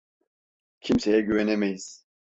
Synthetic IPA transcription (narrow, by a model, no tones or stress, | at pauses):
cʰimsejɛɟyvɛnemejiz̥